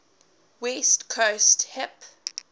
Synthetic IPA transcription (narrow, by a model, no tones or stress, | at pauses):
wɛstkʰosthɛp